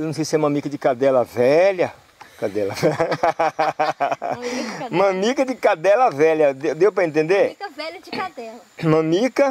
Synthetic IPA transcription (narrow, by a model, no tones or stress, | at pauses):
enɐ̃sejsɪɛumɐ̃mikɐd͡ʒɪkad̪ɛlɐvɛʎɐ | kad̪ɛlɐvɛ | ũmɐ̃mikɐd͡ʒɪkad̪ɛlɐvɛʎɐd̪ewd̪ewpɾɐẽnt̪ẽnd̪eɾ | dɛmɐ̃mikɐ